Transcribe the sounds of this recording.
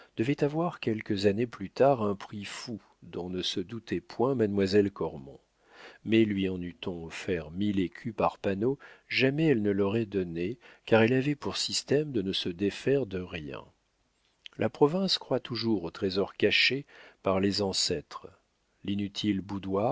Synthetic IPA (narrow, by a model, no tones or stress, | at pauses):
d̪̥əvɛt̪avwaʁkʲɛlkəzaneplyt̪aʁɛ̃pχifu | d̪ɔ̃nəsəd̪ut̪ɛpwɛ̃mad̪mwazɛlkɔʁmɔ̰̃ | mɛlɥiɑ̃nyt̪ɔ̃ɔfɛʁmilekʲʰypaʁpanoʒamɛɛlnəlɔʁɛd̪ɔnekaʁɛlavɛpuʁsist̪ɛmd̪ənəsəd̪efɛʁd̪əʁjɛ̰̃ | lʔapχɔvɛ̃skχwat̪uʒuʁot̪χezɔʁkaʃepaʁlezɑ̃sɛt̪χ | linyt̪ʰilbud̪wa